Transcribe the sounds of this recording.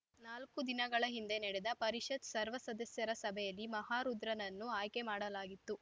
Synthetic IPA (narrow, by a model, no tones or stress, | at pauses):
naːlkud̪inɐɡɐɭɐɦind̪e̞nɛɽed̪ɐpɐɾiʃɐd̪sɐɾʋɐsɐd̪ɐsjɐɾɐsɐbʱɛjɐlːimɐɦaːɾud̪ɾɐnɐnːuaːjkemaːɽɐlaːɡit̪ːu